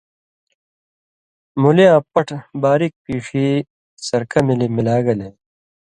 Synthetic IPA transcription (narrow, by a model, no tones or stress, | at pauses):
mulijãːpɐʈʰbaːɾik̚piːʂiː | sɐɾkʰɐmilimilaːɡɐlẽ